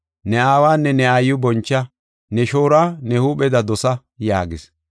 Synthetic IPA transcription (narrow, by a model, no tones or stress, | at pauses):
nɛaːwaːnːɛnɛajːʊbɔnt͡ʃːɐ | nɛʃoːɾaːnɛhuːɓɛd̪ɐd̪ɔsɐ | ja̰ːɡɪs